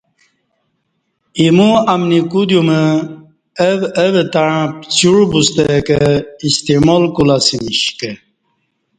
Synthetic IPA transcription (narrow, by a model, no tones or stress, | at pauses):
imuamnikud̪jumə | əʋəʋət̪aɻãpt͡ɕuɻbust̪ekəist̪emolkulasimiɕkə